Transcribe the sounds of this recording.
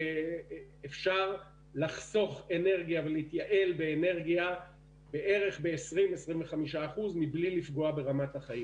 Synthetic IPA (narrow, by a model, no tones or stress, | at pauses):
efʃaʁ | laχso̞χe̞ne̞ʁɡijaveleit̪jaʔe̞lbe̞ːne̞ʁɡia | be̞ʔe̞ʁe̞χbe̞ːsʁimesʁimveχamiʃaːχuzmiblilifɡo̞abe̞ʁamathaχaim